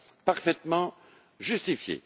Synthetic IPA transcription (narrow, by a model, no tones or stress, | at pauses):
paʁfɛt̪mɑ̃ | ʒyst̪ifjḛ